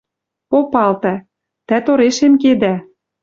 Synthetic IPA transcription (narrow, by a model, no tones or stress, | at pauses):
popɑlt̪æ | t̪æt̪oɾeʃemked̪æ